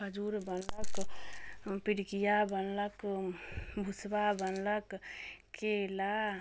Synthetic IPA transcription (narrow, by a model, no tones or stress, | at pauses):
bəd͡ʒuɾbənlək | piɽkijabənlək | bʱusbabənləkkela